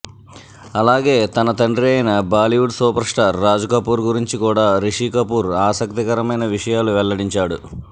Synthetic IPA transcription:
ɐlaːɡe̞ːt̪ɐnɐt̪ɐɳɖɾiɐjnɐbaːliʋuɖsuːpɐɾsʈaːɾːaːd͡ʒukɐpuːɾɡuɾiɲt͡ʃikuːɽaːɾiʂiːkɐpuːɾaːsɐk̚t̪ikɐɾɐmɐjnɐʋiʂɐjaːluʋɛɭːɐɽiɲt͡ʃaːɽu

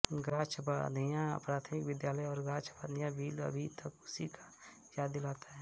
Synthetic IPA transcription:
ɡaːt͡ʃʰba̰d̪əjãpɾaːt̪ʰəmɪkʋɪd̪jaːləjɔːɾɡaːt͡ʃʰbaːd̪ijãbiːlə̰bʱit̪ɐkʊsikḁ | jaːd̪ilaːt̪aɦɛː

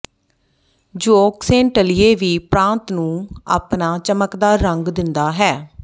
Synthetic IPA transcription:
d͡ʒoːksẽːɳʈəlɪeːʋiːpɾãːnt̪nũːa̰ːpnaːt͡ʃəməkd̪aːɾəŋɡd̪ɪnd̪aːɦɛː

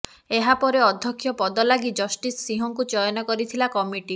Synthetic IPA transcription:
eɦapɔɾeɔd̪ʱːjɔkʰːjɔpɔd̪ɔlaɡid͡ʒɔsʈisːiɦɔŋkut͡ʃɔjɔnɔkɔɾit̪ʰilakɔmiʈi

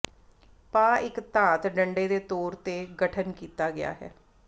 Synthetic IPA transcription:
paːɪkt̪ãːt̪ɖəɳɖeːd̪eːt̪oːɾt̪eːɡəʈʰənkiːt̪aːɡɪja̰ːɦɛ̰ː

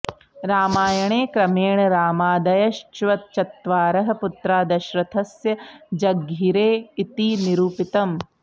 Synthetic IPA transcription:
ɾaːmaːjɐɳeːkɾɐmeːɳɐɾaːmaːd̪ɐjɐʃt͡ʃʋɐt̪̚t͡ʃɐt̪ʋaːɾɐɦɐ̆put̪ɾaːd̪ɐʃɾɐt̪ʰɐsjɐd͡ʒɐɡːiɾeːit̪iniɾuːpit̪ɐm

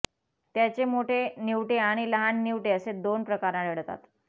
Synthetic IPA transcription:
t̪jat͡ɕemoʈʰeniʋʈeaɽ̃iləɦanːiʋʈeəsed̪onpɾəkaɾãɽəɽt̪a̰t̪

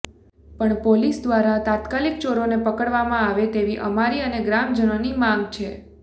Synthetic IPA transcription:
pəɳpolisd̪ʋaɾat̪at̪kalik̚t͡ʃoɾonepəkəɽʋamãaʋet̪eʋiʔə̰maɾiəneɡɾamd͡ʒənonimãŋɡt͡ʃʰe

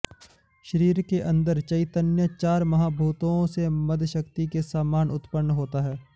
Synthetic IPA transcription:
ʃəɾiːɾkeʔɐ̃nd̪əɾt͡ʃɐɪt̪ənjət͡ʃaːɾmɐɦaːbʱuːt̪õsemɐd̪ʱʃəkt̪ikesaːmaːnʊt̪pənːɦoːt̪aɦɛː

